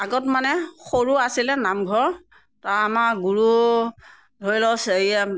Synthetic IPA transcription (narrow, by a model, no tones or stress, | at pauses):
aɡɔtmanɛxoɹuasilɛnamɡʱɔɹ | taɹamaɡuɹu | dʱoilɔsia